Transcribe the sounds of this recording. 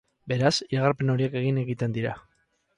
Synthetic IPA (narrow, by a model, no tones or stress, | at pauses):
be̞ɾasiɾaɣaɾpe̞no̞ɾieke̞ɣ̞ine̞ɣit̪e̞nd̪iɾa